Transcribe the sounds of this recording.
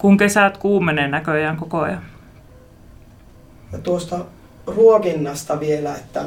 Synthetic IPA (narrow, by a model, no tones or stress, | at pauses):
kuŋkesæˑt̪kuːmeneːˑnækøˑjæˑŋkoko̰ˑjɑ | jɑt̪uost̪ɑ | ruokinːɑst̪ɑʋielæet̪ːæ̰